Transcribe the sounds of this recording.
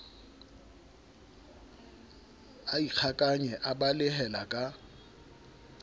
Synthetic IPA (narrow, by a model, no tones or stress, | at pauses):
aik͡xʰakʼaɲɛʔabalɪɦɛlakʼa